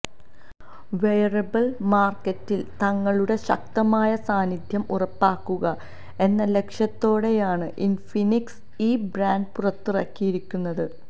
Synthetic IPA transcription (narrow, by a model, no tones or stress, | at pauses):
ʋejɐrɐbɐlmaːrkːɐtːilt̪ɐŋːɐɭuɽe̞ɕɐ̰k̚t̪ɐmaːjɐsaːnid̪ʱjɐmurɐpːaːkːuɣɐ | e̞nːɐle̞kʂjɐt̪ːo̞ːɽe̞jaːɳɨʔinfiniks | iːbraːndpurɐt̪ːurɐkːijiɾikʲːunːɐðɨ